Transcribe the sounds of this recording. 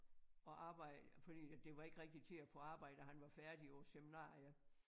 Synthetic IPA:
ɒ̽ʔɑ̈ːb̥ɑ̈ɪ̰d̥fɒd̥ḭːd̥e̝ʋɑ̈e̝ɡ̥əʁɛɡ̥̚d̥it͡sʰe̝æfɔɑ̈ːb̥ɑ̈ɪ̰d̥əɦænʋɑ̈fæɐd̥iɒseminɑ̰̈ːiɐ

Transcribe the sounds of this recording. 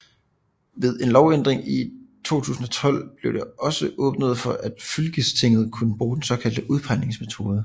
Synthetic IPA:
ʋe̝ð̞ˠe̝nlɒʊend̥ʁeŋit͡sʰo̝̰ːt͡sʰṵːsn̩ɒ̽t͡sʰɒ̽l̰b̥le̝ʊd̥eɒ̽səʔɔ̽ːb̥nəð̞̩ˠfɒ̽ʔæd̥fylɡ̥əst͡sʰe̝ŋ̰ð̞̩ˠkʰunəb̥ʁuːd̥ensɒ̽kʰæl̰d̥əʔuð̞ˠpʰɑ̈ɪne̝ŋsme̝t͡sʰo̝ːð̞ˠə

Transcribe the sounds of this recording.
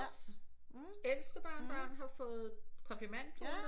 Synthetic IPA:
el̰sd̥əb̥ɑ̰̈ːnb̥ɶːnɦɑ̈fɔ̽ːð̩ˠkʰɒ̽fimæn̰pʰo

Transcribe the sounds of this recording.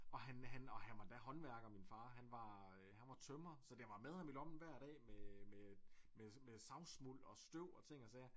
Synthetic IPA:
ɒ̽hænɦænɒ̽ɦænʋɑ̈d̥æɦɒ̽nʋæɐɡ̥minfɑ̈ːɦænʋɑ̈øɦænʋɑ̈t͡sʰœmɐsɒ̽d̥eʋɑ̈með̞ˠhɑ̈milɒ̽b̥n̩ʋæɐ̰d̥ɛ̰ːmemememesɑ̈ʊsmul̰ɒ̽sd̥øʊ̰ɒ̽t͡sʰe̝ŋ̰ɒsɛː

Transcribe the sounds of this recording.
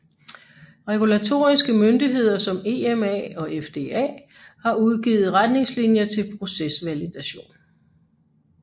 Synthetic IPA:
ʁɛɡ̥ulæt͡sʰo̝̰ːɐisɡ̥əmønd̥iɦe̝ð̞̰ˠɐsɒ̽me̝ːemɛ̰ɒ̽efd̥e̝̰ːɛ̰ː | hɑ̈uðˠɡ̥ḭːð̩ˠʁad̥ne̝ŋslinjɐt͡sʰe̝lpʰʁo̝sesʋælid̥æɕo̝̰ːn

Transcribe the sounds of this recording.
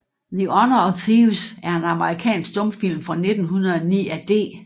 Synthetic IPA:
ðiɒnɐɒt͡sʰiʋsæɐe̝nɑ̈məʁikʰɛ̰ːnsɡ̥̚d̥ɔ̽mfil̰mfʁɑ̈ne̝d̥n̩ɦunɐð̩ˠɒnḭːæd̥e̝̰ː

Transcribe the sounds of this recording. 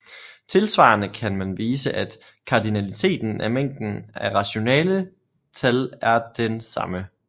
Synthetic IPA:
t͡sʰe̝lsʋɑ̰̈ːnəkʰænmænʋiːsəʔæd̥ | kʰɑ̈d̥inælit͡sʰe̝̰ːd̥n̩ʔæmeŋ̰d̥n̩æʁɑ̈ɕo̝nɛ̰ːlə | t͡sʰælæɐd̥ensɑ̈mə

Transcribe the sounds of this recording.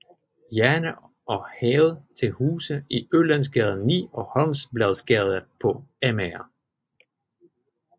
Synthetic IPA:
jæɐnə | ɒ̽hɛːð̞̩ˠt͡sʰe̝lhuːsəiølænsɡ̥ɛð̞ˠənnːḭːɒ̽hɒ̽nsb̥lɛð̞ˠsɡ̥ɛð̞ˠəpʰɒ̽æmɛɐ

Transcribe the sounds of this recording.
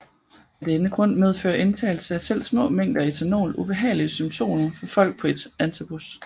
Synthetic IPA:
æd̥enəɡ̥ʁɔ̽n̰með̞ˠfø̰ːɐʔe̝nt͡sʰɛ̰ɪl̩səæsel̰smɔ̰̽ːmeŋ̰d̥ɐit͡sʰæno̝̰ːlʔub̥e̝ɦɛ̰ːɪliəsymt͡sʰo̝̰ːnɐfɒ̽fɒ̽l̰ɡ̥̚pʰɒ̽e̝d̥ænt͡sʰib̥us

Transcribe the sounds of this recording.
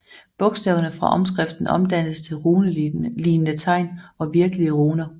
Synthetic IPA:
b̥ɔ̽ɡ̥sd̥ɛ̰ːʊɐnəfʁɑ̈ʔɒ̽msɡ̥ʁɛfd̥n̩ʔɒ̽md̥æn̰st͡sʰe̝lʁunliːnət͡sʰɑ̈ɪ̰nɒ̽ʋiɐɡ̥əliəʁuːnɐ

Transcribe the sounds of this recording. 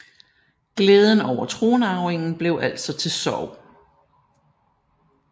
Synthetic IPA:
ɡ̥leːð̞ˠən̩ɒʊ̰ɐt͡sʰʁo̝ːnɑ̈ʊeŋn̩b̥le̝ʊʔæl̰̥sɒ̽t͡sʰe̝lsɒʊ̰

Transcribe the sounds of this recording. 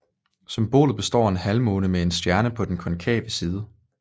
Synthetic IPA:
symb̥o̝̰ːlð̩ˠb̥e̝sd̥ɒ̰ːe̝nhælmo̽ːnəmee̝nsd̥jæɐnəpʰɒ̽d̥enkʰɒ̽nkʰɛ̰ːb̥əsiːð̞ˠə

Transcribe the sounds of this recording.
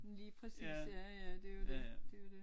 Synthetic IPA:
liːpʰʁɛsisæjæd̥e̝jo̥ed̥e̝jod̥e̝

